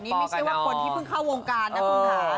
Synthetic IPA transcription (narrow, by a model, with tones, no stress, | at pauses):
ni˦˥mi˧˩t͡ɕʰjwaː˥˩o˨˩˦t̪ʰiː˥˩pʰɯ˥˩ŋkʰa˥˩woː˧ŋkaː˧nːa˦˥˧a˦˩